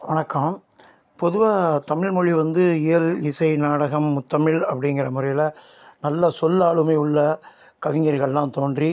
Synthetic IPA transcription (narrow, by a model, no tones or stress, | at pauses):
ʋɐnɐkːaːm | pɔðɯʋaːt̪ɐmɪɭmɔɻiʋɐnd̪ɯɪjɐlɪsɐɪnaːɽɐɣɐmːʊt̪ːɐmɪɭɐpːɐɽɪŋɡɪrɐmʊɾɐjɪlɐ | nɐlːɐsɔlːaːɭɯmɐɪʊɭːɐ | kɐʋɪŋɡɐɾɣɐɭlãːt̪oːndri